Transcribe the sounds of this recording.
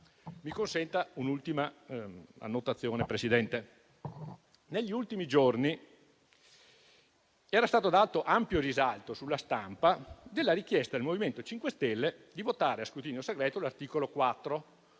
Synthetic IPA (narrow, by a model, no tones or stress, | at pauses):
mikonsɛnt̪aunult̪ima | a̰nːot̪at̪sːjoːnepɾesid̪ɛnt̪e | neʎːiult̪imid͡ʒorni | ɛːɾast̪aːt̪od̪alt̪oʔampjoɾizalt̪osulːast̪ampad̪elːaɾik̟jɛst̪ad̪elmoviment̪ot͡ʃiŋkwest̪ɛlːed̪ivot̪aːɾeaskɾut̪iːnjoseɡɾɛːt̪olart̪iːkolokwat̪ːɾo